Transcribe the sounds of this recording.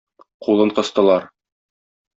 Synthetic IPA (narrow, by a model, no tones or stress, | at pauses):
qulˠɤɴqɤ̆st̪ɤ̆lˠɑɾ